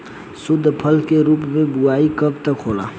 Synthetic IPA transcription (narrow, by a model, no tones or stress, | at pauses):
sʊd̪ʱːpʰəlkeɾuːpmẽbʊaːikəb̚t̪əkʰoːla̰